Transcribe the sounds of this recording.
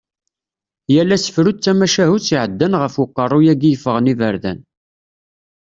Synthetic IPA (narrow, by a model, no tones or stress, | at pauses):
jælːæsə̥fɾut͡sːæmæʃæhut͡sːiʕəd̪ːænʁəfʊqːərˤːʊjæɡijəfəʁənivəɾðæ̰n